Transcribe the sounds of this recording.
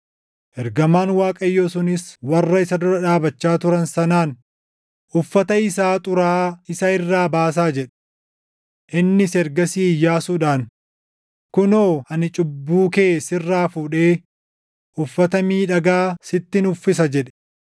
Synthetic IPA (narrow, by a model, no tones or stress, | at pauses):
ʔɛɾɡɐmaːnwaːkʼɐjːosʊnɪswɐrːɐɪsɐd̪ʊɾɐᶑaːbɐt͡ʃːaːt̪ʊɾɐnsɐnaːn | ʔʊfːɐt̪ɐɪsaːt̪ʼʊɾaːɪsɐɪrːaːbaːs̬aːd͡ʒɛᶑɛ̥ | ʔɪnːɪsɛɾɡɐsiːjːaːsuːᶑaːn | kʊnoːɐnɪt͡ʃʼʊbːuːke̞ːsɪrːaːfuːᶑe̞ː | ʔʊfːɐt̪ɐmiːᶑɐɡaːsɪt̪ːɪnʊfːɪs̬ɐd͡ʒɛᶑɛ̥